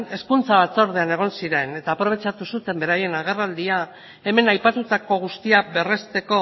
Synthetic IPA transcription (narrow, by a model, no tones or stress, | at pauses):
e̞skunt͡saβat͡so̞ɾð̞e̞ane̞ɣ̞o̞nsiɾe̞ne̞t̪aːpɾo̞β̞e̞t͡ʃat̪usut̪e̞mbe̞ɾaje̞naɣe̞rald̪ia | e̞me̞najpat̪ut̪ako̞ɣ̞ust̪iaβe̞re̞st̪e̞ko̞